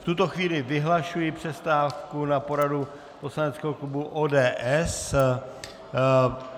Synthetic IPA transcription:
ft̪ut̪oxviːlɪvɪɦlaʃujɪpr̝̥ɛst̪aːfkunapo̞ɾadu | po̞slanɛt͡skɛɦoklubuʔoːdɛːʔɛs

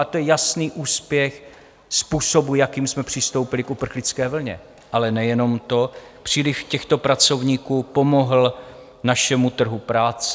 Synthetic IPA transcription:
t̪ojɛjasniːʔuːspjɛx | spuːso̞bujakiːmsmɛpr̥ɪst̪o̞wpɪlɪkʔupr̩xlɪt͡skɛːvl̩ɲɛ̰ | ʔalɛnɛjɛno̞mt̪o̞ | pr̥iːlɪʃcɛxt̪o̞pɾat͡so̞vɲiːkuːpo̞mo̞ɦl̩ | naʃɛmut̪r̩ɦupɾaːt͡sɛ̥

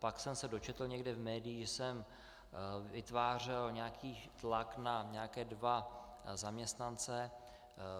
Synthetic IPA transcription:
paksɛmsɛdot͡ʃɛt̪l̩ɲɛɡdɛvmɛːdɪjɪʒɛsɛm | vɪt̪vaːr̝ɛlɲɛakʰiːt̪laknaɲɛakɛːdva | zamɲɛst̪nant͡sɛ

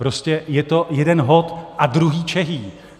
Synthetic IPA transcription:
pɾo̞scɛjɛt̪o̞jɛdɛnɦo̞t̪ʔadɾuɦiːt͡ʃɛɦiː

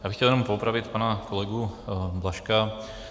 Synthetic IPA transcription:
jaːbɪxcɛljɛnompoupɾavɪt̪panakolɛɡublaʃka

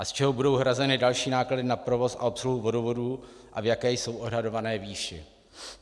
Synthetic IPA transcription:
ʔast͡ʃɛɦobudo̞wɦɾazɛnɪdalʃiːnaːkladɪnapɾo̞vo̞sʔa̰o̞psluɦuvo̞dovo̞du | ʔavjakɛːjso̞wʔo̞dɦado̞vanɛːviːʃɪ̰

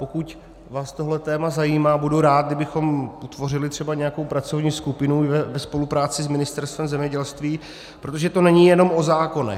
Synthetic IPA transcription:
pokuc | vaːst̪o̞ɦlɛt̪ɛːmazajiːmaːbuduɾaːt̪̚ɡdɪbɪxo̞mut̪vo̞r̝ɪlɪt̪r̝̥ɛbaɲɛjako̞wpɾat͡so̞vɲiːskupɪnuvɛvɛspo̞lupɾaːt͡sɪsmɪnɪst̪ɛɾst̪vɛmzɛmɲɛɟɛlst̪viː | pɾot̪o̞ʒɛt̪o̞nɛɲɪjɛno̞mʔo̞zaːko̞nɛ̰

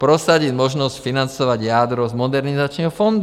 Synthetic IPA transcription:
pɾɔsaɟiɟmɔʒnɔscfinant͡sɔʋaɟjad̪ɾɔzmɔd̪ɛɾnizat͡ʃnɛːɦɔfɔnd̪

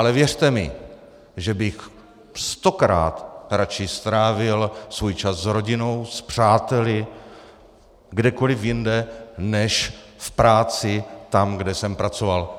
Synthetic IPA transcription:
ʔalɛvjɛr̝̥t̪ɛmɪ̰ | ʒɛbɪx | st̪o̞kɾa̰ːt̪ɾat͡ʃɪst̪ɾaːvɪlsvujt͡ʃaszɾo̞ɟɪno̞wspr̝̥aːt̪ɛlɪ | ɡdɛko̞lɪfjɪndɛnɛʃfpɾaːt͡sɪt̪amɡdɛsɛmpɾat͡so̞val

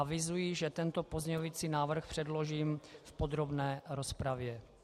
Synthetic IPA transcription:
avɪzujiʒɛt̪ɛnt̪opozɲɛovit͡siːnaːvr̩xpr̥ɛdlo̞ʒiːmfpod̪ɾo̞bnɛːɾospɾavjɛ

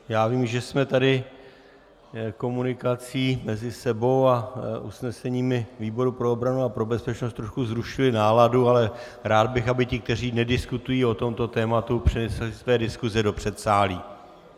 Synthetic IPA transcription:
jaːviːmʒɛsmɛt̪adɪ | ko̞munɪkat͡siːmɛzɪsɛbo̞waʔusnɛsɛɲiːmɪviːbo̞ɾupɾo̞obɾanuapɾo̞bɛspɛt͡ʃnost̪ɾo̞ʃkuzɾuʃɪlɪnaːladualɛ | ɾaːd̪̚bɪxabɪcɪk̚t̪ɛriːnɛdɪskut̪ujiːo̞t̪o̞mt̪o̞t̪ɛːmat̪upr̥ɪnɛslɪsvɛːdɪskuzɛdo̞pr̝̥ɛt̪saːliː

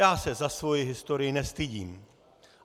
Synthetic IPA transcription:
aːsɛzasvo̞jɪɦɪst̪o̞ɾɪjɪnɛst̪ɪɟiːm

